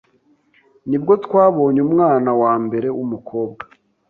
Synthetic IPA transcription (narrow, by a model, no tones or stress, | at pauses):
nibɡo̞tkwaːβo̞ːɲumŋaːnawaːmbe̞ɾe̞umukʰo̞ːbɡḁ